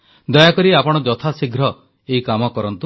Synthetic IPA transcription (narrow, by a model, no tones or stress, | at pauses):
d̪ɔjakɔɾiapɔɽ̃ɔd͡ʒɔt̪ʰasiɡʱɾɔ | eikamɔkɔɾɔnt̪u